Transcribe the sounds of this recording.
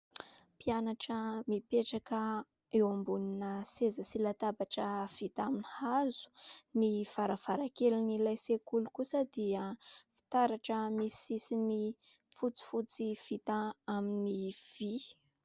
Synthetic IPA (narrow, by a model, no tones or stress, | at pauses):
pianaʈ͡ʂəmipeʈ͡ʂakə | ewambuninəsezəsilat̪abaʈ͡ʂəv̥it̪aminihazu̥niv̥aɾav̥aɾakelinilajsekulukusəd̪iəfi̥t̪aɾaʈ͡ʂəmisiisini | fut͡si̥fut͡siv̥it̪ãaminiv̥i